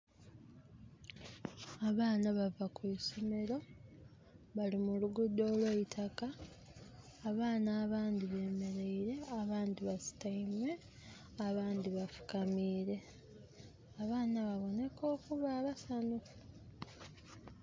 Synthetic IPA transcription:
aβaːnaβavakweːso̞me̞ɾo̞ | βalimuluɡudːo̞ːlweːitʰaka | βaːnaːβaːndiβe̞ːme̞ɾe̞iɾe̞aβaːndiβasi̥taimwe̞ | aβaːndiβafu̥kamiːɾe̞ | aβaːnaβaβo̞ne̞ko̞ːkuβaːβasano

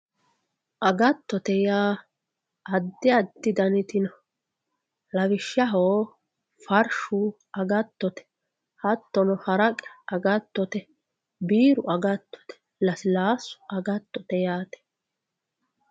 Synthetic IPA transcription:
ʔɐɡɐt̪ːɔt̪ɛjaː | ɐd̪ːɪɐd̪ːɪd̪ɐnɪt̪ɪnɐ | lɐβɪʃːɐɦoː | fɐɾʃʊ | ʔɐɡɐt̪ːɔt̪ɛ̥ | hɐt̪ːɔnɔhɐɾɐkʼɛ̥ɐɡɐt̪ːɔt̪ɛ | biːɾʊɐɡɐt̪ːɔ̥t̪ɛ̥ | lɐsɪlaːsʊ̥ʔɐɡɐt̪ːɔt̪ɛjaːt̪ɛ̥

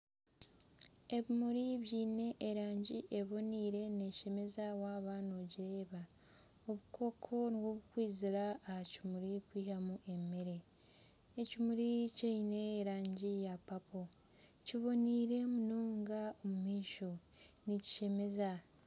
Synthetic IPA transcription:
e̞βimuɾiβjiːne̞ʔːɾaːɲɟiʔeβo̞niːɾe̞ne̞ʃe̞me̞zawaːβaːnoɟiɾe̞ːβa | oβukʰo̞kʰo̞niβwoβukwiːziɾaːhacimuɾikwiːhamuʔe̞meɾe̞ː | cimuɾicaineːɾaːɲɟijapapo̞ | ciβo̞niːɾe̞munoːŋɡaomumiːʃo̞ | nici̥ʃe̞me̞za

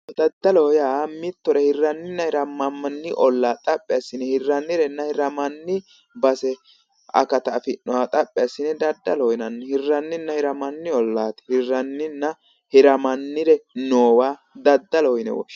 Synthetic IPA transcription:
d̪̥ɐd̪ːɐlɔhɔjaːmɪt̪ːɔɾɛhɪrːɐnːɪnːɐhɪɾɐmɐmɐnːɪʔɔlːaːt̪ʼɐpʼːɛjasːɪnːɛhɪrːɐnːɪɾɛnːɐhɪɾɐmɐnːɪ | bɐsɛ | ʔɐ̰kɐt̪ɐfɪnːɔwat̪ʼɐpʼːɛjɐsːɪnːɛd̪ɐd̪ːɐlɔhɔɪnɐnːɛhɪrːɐnːɪnːɐhɪɾɐmɐnːɪɔlːaːt̪ɪ̥hɪrːɐnːɪnːɐ | hɪɾɐmɐnːɪɾɛnoːwaː | d̪ɐd̪ːɐlɔhɔjɪnɛ̰wɔ̰ʃ

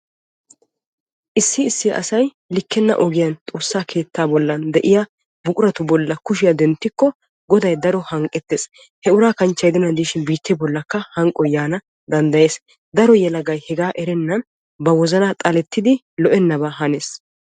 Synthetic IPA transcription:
ʔɪsːɪːsːɪ̰ʔɐ̰sɐj | lɪkːɛnːɐ̰ʔɔɡɪjɐnt̪ʼo̞ːsːaːkʰe̞ːt̪ːaːbɔlːɐnd̪ɛʔɪja | bʊkʼʊɾɐt̪ʊbɔlːɐkʊʃ̬ɪjɐd̪ɛnt̪ːɪkːɔ | ɡɔd̪ɐjd̪ɐɾɔhɐŋkʼɛt̪ːeːs | hɛʊɾaːkɐnt͡ʃːɐjd̪ɪnɐd̪iːʃɪnbiːt̪ːɛbɔlːɐkːɐhɐŋkʼɔjaːnɐ | d̪ɐnd̪ɐje̞ːs | d̪ɐɾɔjɛlɐɡɐjhɛɡaːʔɛɾɛnːɐn | bɐwɔzɐnɐt̪ʼɐlɛt̪ːɪd̪ɪ | lɔʔɛnːɐbaɦɐne̞ːs

